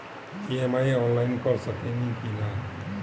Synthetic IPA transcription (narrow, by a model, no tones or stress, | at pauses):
iemajɔnlajnkʌɾsʌkenikina